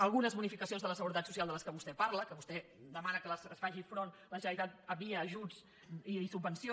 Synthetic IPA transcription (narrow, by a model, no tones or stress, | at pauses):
əlˠɣ̞unəzβunifikəsionðələsəɣuɾət̪at̪susialˠd̪ələskəβust̪ɛpaɾləkəβust̪ɛ | d̪əmanəkələsəsfaʒifɾon | ləʒənəɾit̪at̪̚əβiəːʒud͡z | isubːənsio